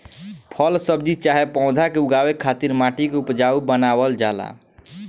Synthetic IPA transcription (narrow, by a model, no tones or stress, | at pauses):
pʰəlsəbd͡ʒit͡ʃaɦepaʊ̃d̪ʱakeuɡawekʰːat̪iɾmaʈikeupd͡ʒaubənabəld͡ʒala̰